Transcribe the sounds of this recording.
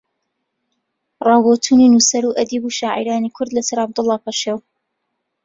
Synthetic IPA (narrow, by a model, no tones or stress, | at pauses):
rˤɑːwot̪ʰuːninusɐɾuʔɐd̪iːbuʃaːʕḭɾaːnikʰʊɾd̪lɐsɐɾɑb̚d̪ɨlˠːɑːpɐʃew